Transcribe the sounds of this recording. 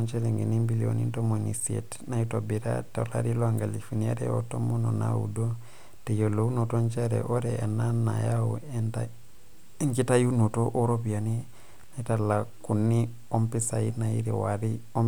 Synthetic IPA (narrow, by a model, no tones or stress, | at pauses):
nt͡ʃeleŋɡinimbilio̰nḭntomonḭsiḛt | naitobiɾa̰tala̰ɾiloaŋɡalifiniaɾḛo̰tomonona̰ṵdo | tejolounotont͡ʃeɾḛʔoɾɛanana̰jaoɛnta | ŋkitajunotoʔoɾopiani | naitalakunːi | ɔmpisainaḭɾḭwaɾio